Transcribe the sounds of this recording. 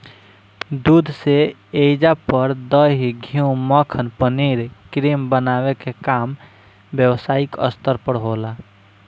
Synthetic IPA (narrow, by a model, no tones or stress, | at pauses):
d̪ud̪ʱseed͡ʒapəɾd̪əɦiɡʱiuməkʰənpəniɾkɾembənawekekaːm | bjəwsaːikə̰st̪əɾpəɽɦola